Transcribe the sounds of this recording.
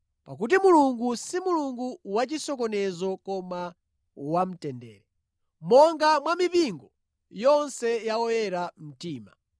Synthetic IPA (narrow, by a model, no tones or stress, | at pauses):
pak̬ut̬imuluŋɡusimuluŋɡuwat͡ʃisɔk̬ɔnɛzɔkɔma | wam̩tɛndɛ̰ːɾɛ | mɔŋɡamwamipiŋɡɔ | jɔnsɛjaɔjɛɾam̩tiːma̰